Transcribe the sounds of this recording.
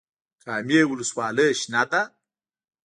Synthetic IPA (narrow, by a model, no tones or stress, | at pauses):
kʼamjewuluswaləʔʃnat̪a